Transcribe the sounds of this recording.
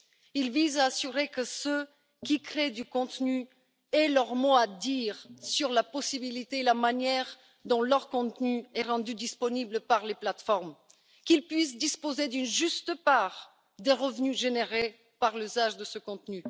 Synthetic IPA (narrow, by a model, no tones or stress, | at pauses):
ilvizaːsyʁekəsø | kʲikχed̪ykɔ̃t̪ny | ɛlœʁmoad̪iːʁsyʁlapɔsibilit̪eːlamanjɛʁ | d̪ɔ̃lœʁkɔ̃t̪nyɛʁɑ̃d̪yd̪ispɔnibləpaʁleplat̪fɔʁm | kilpɥis̬d̪ispozed̪ynʒyst̪əpaʁ | d̪eʁəvnyʒeneʁe | paʁlyzaʒd̪əsəkɔ̃t̪ny